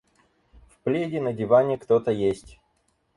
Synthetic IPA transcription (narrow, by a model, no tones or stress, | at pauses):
fplʲedʲɪnədʲɪvanʲɪəkt̪ot̪əjesʲtʲ